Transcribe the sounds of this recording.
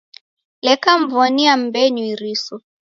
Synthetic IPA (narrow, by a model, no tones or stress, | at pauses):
lɛkam̩vɔniam̩bɛɲwiɾisɔ